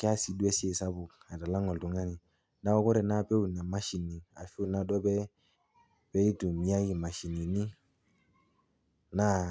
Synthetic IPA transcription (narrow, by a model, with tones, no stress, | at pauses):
kɛ˦a˦si˨du˦ɛ˦si˦e˦˨sa˦bu˨ka˨ta˨la˦ŋɔ˨ltu˨ŋa˦ni˨ | na˦ɔ˦kɔ˦ɾɛ˨na˦˨pɛ˦u˨na˨ma˦ʃi˨ni˨a˨fi˦u˨na˦dɔ˦bɛ˦ | pɛ˦li˦tu˨mi˨a˦ji˨ma˨ʃi˨ni˨ni˦ | na˦